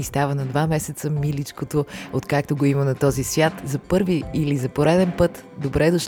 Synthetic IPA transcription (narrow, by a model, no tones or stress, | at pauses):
ist̪avənɐd̪vamɛsɛt̪səmilit͡ʃkot̪oot̪kak̚t̪oɡoimənɐt̪ɔzisvʲjat̪zɐpɤɾviilizɐpoɾɛd̪ɛnpɤt̪ | d̪obɾɛd̪oʃ